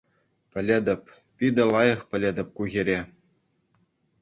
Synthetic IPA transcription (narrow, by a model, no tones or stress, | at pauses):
pʲɘ̆lʲed̪ʲɘ̆pʲ | pʲid̪ʲɘ̆lˠɑjɤ̆χpʲɘ̆lʲĕd̪ʲɘ̆p̚kuɣʲeɾʲe